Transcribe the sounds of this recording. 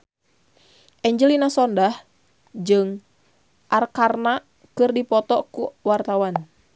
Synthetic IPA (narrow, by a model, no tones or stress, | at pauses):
ʔɛɲd͡ʒəlinasɔndah | d͡ʒɨŋ | ʔarkarna | kɨrdipɔt̪ɔkuwart̪awan